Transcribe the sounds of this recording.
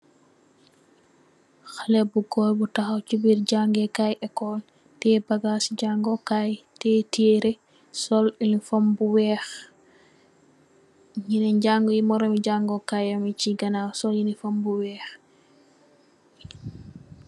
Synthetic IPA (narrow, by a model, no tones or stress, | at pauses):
xalɛbuɡɔjbutaxawt͡ʃubiɾɟaŋɡɛkajɛkɔl | tɛbaɡasid͡ʒaŋɡɔkajtɛteɾɛ | sɔlinifombuwɛx | ɲinɛɲɟaŋɡɔjimɔɾɔmiɟaŋɡɔkajamit͡ʃiɡanawsɔljinifombuwɛːx